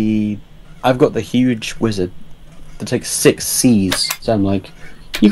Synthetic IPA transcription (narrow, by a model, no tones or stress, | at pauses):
aɪvɡɒʔ̪̚ðɨhjʉd͡ʒwɪzəd̚ | ðətʰeɪksɪksiz̥sãɪ̃mlaɪkjɨɡ